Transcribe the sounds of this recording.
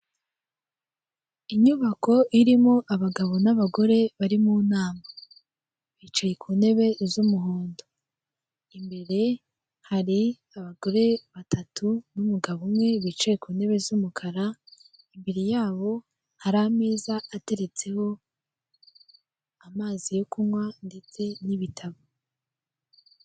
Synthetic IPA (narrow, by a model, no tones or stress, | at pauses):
iɲuβako̞ʔiɾimoʔaβaɡaβo̞naβaɡo̞ɾe̞βaɾimuːnaːma | βit͡ʃajekʰuːne̞βe̞zumuɦoːndo | imbe̞ɾe̞ | haɾi | aβaɡo̞ɾe̞βatʰatʰunumuɡaβumŋe̞βit͡ʃajekuːne̞βezumukʰaɾa | imbeɾijaːβo̞ | haɾameːzaːte̞ɾe̞t͡se̞ho̞ | amaːzijo̞kumŋwande̞t͡se̞niβitʰaβo